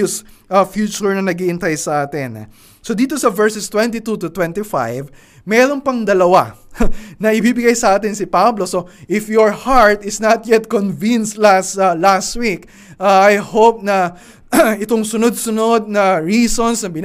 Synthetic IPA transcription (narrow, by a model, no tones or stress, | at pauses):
ʊsʔɐfjuːt͡ʃʊɹnɐnɐɡiʔɪnt̪ajsɐʔaːt̪ɪn̰ | sod̪iːt̪o̞sɐvɛɹsɛst̪wɛ̃nt̪it̪ut̪ʊt̪wɛ̃nt̪ifa̰jv | mɛːɾonpɐŋd̪ɐlɐwa | nɐʔɪbibɪɡajsɐʔaːt̪ɪnsɪpabloso̞ʔɪfjɔɹhaɹt̪ɪsnɐt̪̚jɛt̪̚konvinst̪last̪alast̪wik | ʔaajhowp̚nɐ | ɪt̪oŋsʊnod̪̚sʊno̞d̪̚nɐɹiːsonsnɐbɪn